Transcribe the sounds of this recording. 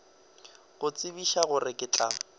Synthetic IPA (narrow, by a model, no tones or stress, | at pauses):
ɣʊt͡sʼɪbiʃaɣʊrɪkʼɪt͡ɬʼa